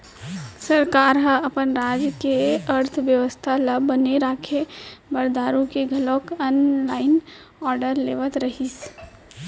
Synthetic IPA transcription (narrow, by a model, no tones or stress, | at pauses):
sɐɾkaːɾɦəɐpənɾaːd͡ʒkeɐɾt̪ʰʋjəʋəst̪ʰalɐbəneɾaːkʰebɐɾd̪aːɾũkeɡʱɐloːkənlaːɪn | ɔːɾɖəɾleːʋət̪ɾɐɦis